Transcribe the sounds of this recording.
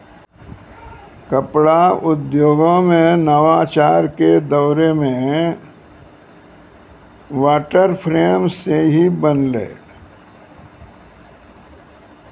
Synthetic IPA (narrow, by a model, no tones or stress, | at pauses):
kəpɽaʊd̪joːɡõmẽnəʋaːt͡ʃaːɾked̪əʊɾemẽ | ʋaːʈəɾpʰɾeːmseɦibənlḛː